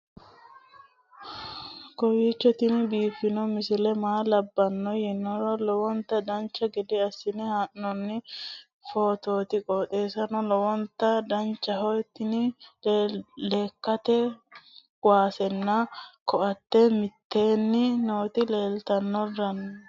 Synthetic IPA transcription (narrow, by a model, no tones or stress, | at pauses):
kɔwiːt͡ʃːɔt̪ɪnbiːfːɪnɔmɪsɪlɛmaːlɐbːɐnːɔjɪnːɔɾɔlɔwɔnt̪ːɐd̪ɐnt͡ʃːɐɡɛd̪ɛɐsːɪnɪhaːʔːɔnːɪ | foːt̪o̞ːt̪ɪkʼot̪ʼe̞ːsɐnɔlɔwɔnt̪ːɐd̪ɐnt͡ʃːɐɦɔjt̪ːɪnɪlleːkːɐt̪ɛ | waːsɛnːɐkɔʔɐt̪ːɛmɪt̪ːeːnːɪnoːt̪ɪle̞ːlt̪ɐnːɔrːɐn